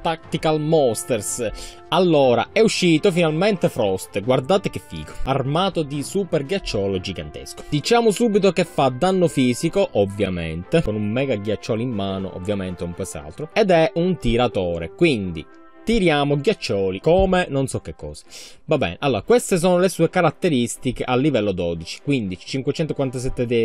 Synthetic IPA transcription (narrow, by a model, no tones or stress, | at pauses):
t̪akt̪ikalmɔst̪ers | alːɔːɾa̰ʔɛuʃːiːt̪ofinalment̪efɾɔst̪ɡward̪aːt̪ek̟ɪfːḭːko̥armaːt̪od̪isuperɡjat͡ʃːɔːlod͡ʒiɡa̰nt̪ḛsko̥d̪̥it͡ʃaːmosuːbit̪okefːad̪anːofiːzikoʔovːja̰mḛnt̪ekonummɛːɡaɡjat͡ʃːɔːlimːaːno̰ʔo̰vːjament̪eumpwesa̰lt̪ɾoɛd̪ɛunt̪iɾat̪ɔːɾḛkwind̪ḭ | t̪iɾjaːmoɡjat͡ʃːɔːlikoːmenonsɔkːekːɔ̰ːze̥ | vabːɛ̰ːneʔalːɔːɾakwest̪es̬oːnolesuːekaɾat̪ːeɾist̪ikeʔalːivɛlːod̪ɔd̪it͡ʃi̥kwind̪it͡ʃi̥t͡ʃiŋkwet͡ʃɛnt̪okwant̪as̬ɛt̪ːed̪i